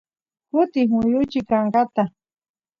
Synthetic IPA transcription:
kʊt̪ɪhmʊjʊt͡ʃɪkaɴɢat̪a

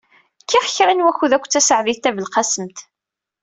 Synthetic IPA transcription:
kːiʁçɾænwæçuðækʷːt͡sːæsəʕviθt̪ævəlqɑsəmt̪

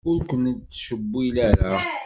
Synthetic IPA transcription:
ʊɾkʷənːt͡sːʃəbːilæɾa

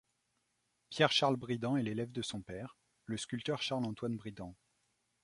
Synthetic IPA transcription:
pjɛʁʃaʁlbʁid̪ɑ̃ɛlelɛvd̪əsɔ̃pɛʁ | ləskʲylt̪œʁʃaʁlɑ̃t̪wanbʁid̪ɑ̃

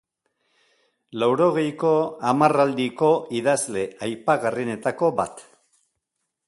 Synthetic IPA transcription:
lawɾo̞ɣ̞e̞jko̞amarald̪iko̞iðazle̞ajpaɣarine̞t̪ako̞ba̰t̪

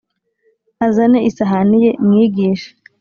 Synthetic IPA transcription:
azaneʔisaɦanijemŋiːɡiːʃe̥

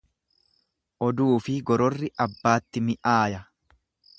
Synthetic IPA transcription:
ʔɔd̪uːfɪɡɔɾɔrːɪʔɐbːaːt̪ːɪmɪʔaːjɐ

